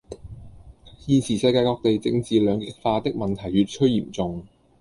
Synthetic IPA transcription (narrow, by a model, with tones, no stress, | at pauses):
jiː˨˧nsʰiː˨˩sɐ˧jkaː˧jkɔː˧k̚t̪e˨jt͡sɪ˧ŋt͡siː˨lœː˨˧ŋkɪ˨k̚faː˧t̪ɪ˥k̚mɐ˨nt̪ʰɐ˨˩jɥyː˧t̚t͡ʃʰɵ˥ɥjiː˨˩mt͡sʊ˨ŋ